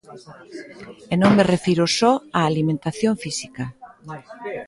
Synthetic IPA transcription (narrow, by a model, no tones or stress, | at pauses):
enõŋmerefiɾosɔaːlimẽnt̪aθjoɱfisika